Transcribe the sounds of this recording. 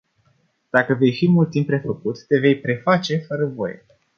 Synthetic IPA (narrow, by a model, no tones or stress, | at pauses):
d̪̥akəve̞jfijmult̪ːimpːɾe̞fəkut̪ːe̞ve̞jpɾe̞fat͡ʃe̞fəɾəvo̞̰jḛ